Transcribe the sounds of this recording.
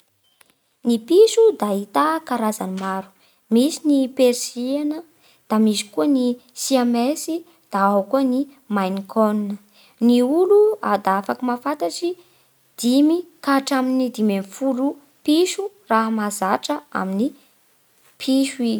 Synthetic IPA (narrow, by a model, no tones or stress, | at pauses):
nipiʃud̪ait̪akaɾazanimaɾu̥ | misinipeɾisianə | d̪̥amisi̥kuənisiamesi | d̪̥aaɦakuəni | majnikʰoninə | niuluad̪afakimafat̪aʈ͡ʂi | d̪̥imikaʈ͡ʂaminid̪imemfulu | piʃu | raɦəmazaʈ͡ʂəa̰mini | pʰiʃi